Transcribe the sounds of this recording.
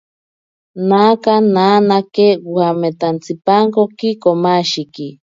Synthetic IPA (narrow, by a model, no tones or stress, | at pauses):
nakananakewwamet̪ant͡sipaŋkokikomaʃiki